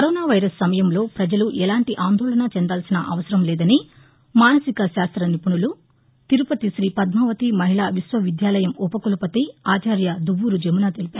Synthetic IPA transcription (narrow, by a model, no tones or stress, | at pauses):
kɐɾɔːnaːʋɐjɾɐsːɐmɐjɐmlo̞ːpɾɐd͡ʒɐluʔɛlaːɳʈiʔaːnd̪ʱɔːɭɐɳat͡ʃɛnd̪aːlsinɐʔɐʋɐsɐɾɐmlɛːd̪ɐni | maːnɐsikɐʃaːst̪ɾɐnipuɳulu | t̪iɾupɐt̪iʃɾiːpɐd̪maːʋɐt̪imɐɦiɭaːʋisʋɐʋid̪jaːlɐjɐmupɐkulupɐt̪iaːt͡ʃaːɾjɐd̪uʋːuɾud͡ʒemunaːt̪elipaːɾu